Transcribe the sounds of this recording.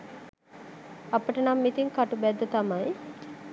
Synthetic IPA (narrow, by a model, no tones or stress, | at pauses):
apəʈənamːit̪iŋkaʈubæd̪ːət̪amaj